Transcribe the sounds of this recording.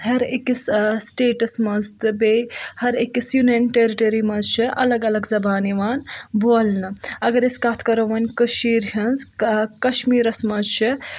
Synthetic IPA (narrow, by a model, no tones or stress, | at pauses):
ɦɐɾekissʈeːʈɐsmɐzt̪ɨbehɐɾekisjunɐnʈeɾiʈɐɾimɐzt͡ʃʰiʔɐ̰lɐɡɐlɐɡzɐbaːniʋaːnboːlnɨɐɡɐɾiskaːt̪ʰkɐɾoʋɐnʲkɐʃiːɾɦʲɐnzkɐʃmiːɾɐsmɐzt͡ʃʰi